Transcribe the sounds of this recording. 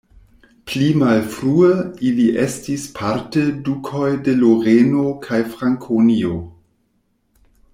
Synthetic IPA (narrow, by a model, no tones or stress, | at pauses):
plimalfɾuəiliʔestispʰaɾtedukʰo̞jde̞loʁenokʰajfɾaŋkʰonio